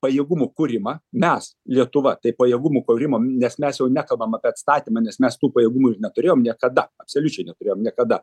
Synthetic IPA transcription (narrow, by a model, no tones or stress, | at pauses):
pɐjeːɡʊmukʊɾʲɪmɐːmʲɛs | lʲiɛt̪ʊʋɐt̪ɐɪpɐjeːɡʊmuːkoɾʲɪmoːnʲɛsmʲɛsjɛʊnʲækɐlˠbɐmɐpʲiɛɐt̪st̪ɑːt̪ʲimɐːnʲɛsmʲɛst̪uːpɐjeːɡumuɪrnʲɛt̪ʊɾʲeːjoːmnʲiɛkɐd̪ɐɐpsoːlʲʊt͡ʃʲɛɪnʲɛt̪ʊɾʲeːjoːmnʲiɛkɐd̪ɐ